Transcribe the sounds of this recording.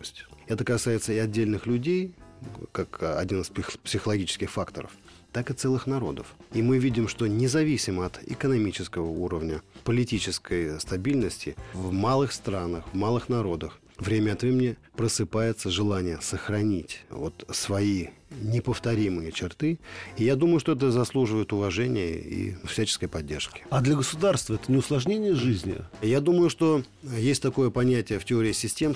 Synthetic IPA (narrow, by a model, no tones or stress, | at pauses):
sʲtʲɛt̪əkɐsajɪt̪səɪɐdʲːelʲnɨxlʲʊdʲejkakɐ̰dʲinɨspɪxpʲsʲɪxəlˠɐɡʲit͡ɕɪ̥skʲɪxfakt̪ə̰ɾə̰f | t̪akɨt̪sɛlˠɨxnɐɾo̞̰d̪əfimɨvʲidʲɪmʂt̪o̞nʲɪzɐvʲisʲɪməɐt̪ɪ̰kənɐmʲit͡ɕɪskəvəuɾəvnʲəpəlʲɪtʲit͡ɕɪskʰəjst̪ɐbʲilʲnəsʲtʲɪvmalˠɨxst̪ɾanəxvmalˠɨxnɐɾo̞d̪əx | vɾʲemʲəɐt̪vʲemʲɪnʲɪpɾəsɨpajɪt̪səʐɨlˠanʲɪjəsəxɾɐnʲitʲvo̞t̪svɐinʲɪpəft̪ɐɾʲimɨjət͡ɕɪrt̪ɨijad̪uməjʊʂt̪o̞ɛt̪əzɐslˠuʐɨvəjɪt̪ʊvɐʐɛnʲɪ̰jə̰ḭfsʲæt͡ɕɪ̥skəjpɐdʲːḛrʂkʲɪ̥ad̪lʲəɡəsʊd̪arst̪vəɛt̪ənʲɪʊslˠɐʐnʲenʲɪjəʐɨzʲnʲɪ̰jad̪uməjʊʂt̪o̞ | jesʲtʲt̪ɐko̞jəpɐnʲætʲɪjəftʲɪoɾʲɪːsʲɪsʲtʲe̞m